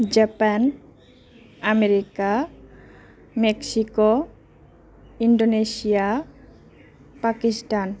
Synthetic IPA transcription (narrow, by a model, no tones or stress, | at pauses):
d͡ʑapan | ameɾika | meksiko | iɳɖonesija | pakisʈan